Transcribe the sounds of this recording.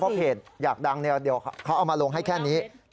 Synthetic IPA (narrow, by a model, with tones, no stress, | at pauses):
ɔ˦˥hʰeː˨˩t̪̚jaː˨˩k̚da˧ŋni˧di˨˩əwkʰa˦˥wʔa˨˩wmaː˧lo˧ŋɦa˥˩jkʰɛː˥˩niː˦˥